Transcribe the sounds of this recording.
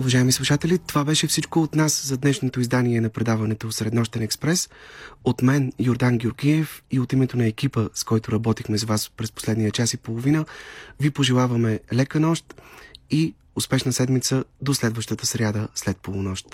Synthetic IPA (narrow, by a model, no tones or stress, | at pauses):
ʊvɐʒaɛmislˠuʃat̪ɛlʲit̪ovabɛʃɛfsit͡ʃkoːt̪naszɐd̪nɛʃnot̪oizd̪aniɛnɐpɾɛd̪avɐnɛt̪osɾɛd̪nɔʃt̪ɛnɛkspɾɛsot̪mɛnjoɾd̪anɡʲoɾɡʲiɛfiot̪imɛt̪onɐɛk̟ipəskɔjt̪ʊɾɐbɔt̪ixmɛzɐvaspɾɛspo̥slɛd̪nijət͡ʃasipolˠovinəvipoʒɛlˠavəmɛlɛkənɔʃt̪i | ʊspɛʃnəsɛd̪mit̪səd̪oslɛd̪vəʃt̪ət̪əsɾʲjad̪əslɛt̪̚polˠonɔʃt̪